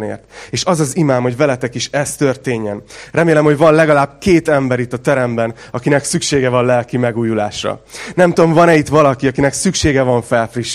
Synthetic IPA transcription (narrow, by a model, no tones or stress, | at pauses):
nḛːrt̪eːʃɒzɒzimaːmho̞ɟvɛlɛt̪ɛkiʃɛst̪ørt̪eːɲːɛnrɛmeːlɛmhoɟvɒnlɛɡɒlaːbkeːt̪ɛmbɛɾit̪ɒt̪ɛɾɛmbɛnɒkinɛksykʃeːɡɛvɒnlɛlkimɛɡuːjula̰ːʃrɒ̰nɛmt̪uomvɒnɛit̪ʋɒlɒkiɒkinɛksykʃeːɡɛvɒɱfɛlfriʃ